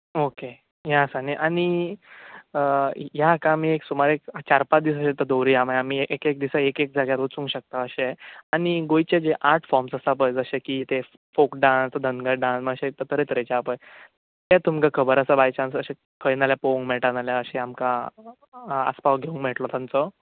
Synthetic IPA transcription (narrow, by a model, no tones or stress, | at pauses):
oke | jasaniʔaɽ̃i | jakãmiːeksumaɾekt͡ɕaɾpat͡sd̪is̬əɕẽt̪əd̪owɾiamaamieʔekek̚d̪isaekek̚d͡zʱaɡjaɾot͡sũŋɡɕək̚t̪aəɕeañiɡojt͡ɕed͡ʑeʔaɾʈʰfɔɾmsəsap̬əjd͡zəɕekit̪e | fokɖãnsd̪ʱənɡəɾɖãnsməɡəɕet̪ət̪əɾet̪əɾet͡ɕapəj | t̪et̪umkakʰəbəɾəsabajt͡ɕãnsəɕẽ | kʰəjnaljapoũŋɡmɛʈanaljaəɕeamka | ə̰spaʋɡʱeũŋɡmɛʈlɔt̪ãnt͡sɔ